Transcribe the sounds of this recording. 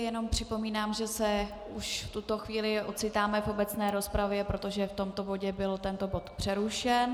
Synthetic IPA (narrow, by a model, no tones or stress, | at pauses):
jɛno̞mpr̥ɪpo̞miːnaːmʒɛsɛ | uʃft̪ut̪o̞xviːlɪʔo̞t͡sɪt̪aːmɛfo̞bɛt͡snɛːɾo̞spɾavjɛpɾo̞t̪o̞ʒɛft̪o̞mt̪o̞bo̞ɟɛbɪlt̪ɛnt̪o̞bo̞t̪pr̝̥ɛɾuʃɛn